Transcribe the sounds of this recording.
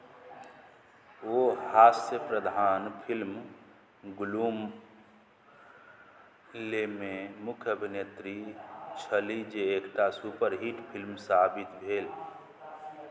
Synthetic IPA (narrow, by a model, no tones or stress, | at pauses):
ohasjəpɾəd̪ʱaːnpʰilm | ɡulum | lememʊkʰjəbʱinet̪ɾit͡ʃʰəlid͡ʒeekʈasupəɾɦiʈpʰilmsabit̪bʱeːl